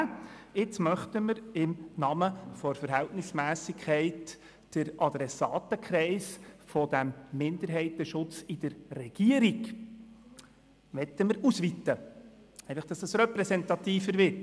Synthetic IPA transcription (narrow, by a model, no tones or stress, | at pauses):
ɪt͡smœχt̪əməɾɪmnɑməfɔɾfəɾɦæltnɪsmæːsɪkʰχɛɪtː | əɾʔɑd̪ɾɛsɑːtəkχɾɛɪsfɔd̥æmːɪnd̪əɾɦɛɪt̪əʃʊt͡sɪd̥əɾːɛɡ̥iəɾiɡ | ʋɛt̪əməɾusʋitə | ɛɪfɑχd̥ɑsɛsɾɛpɾɛsɛnt̪ɑtiːfəɾʋɪɾt